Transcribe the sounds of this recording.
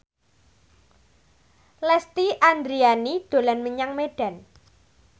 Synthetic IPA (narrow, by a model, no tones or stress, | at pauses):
lɛst̪iʔand̪ɾianid̪̥o̤lanməɲaŋmeɖ̥a̤n